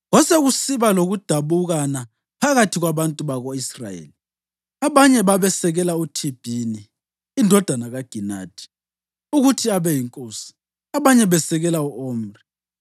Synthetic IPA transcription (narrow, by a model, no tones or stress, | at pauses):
ɣɔseɣusiβaloɣud̥ʱaβuɣana | pʰaɣatʰiɣwaβantʼuβaɣoisra̰jḛːli | aβaɲɛβaβɛsɛɣɛlautʰib̥ʱiniː | ndʱɔd̥ʱanaɣaɡ̥ʱina̰ːd̥ʰʱi̥ | uɣutʰiaβɛjiŋkʼoːsi̥ | aβaɲɛβɛsɛɣɛlauʔoːm̩ri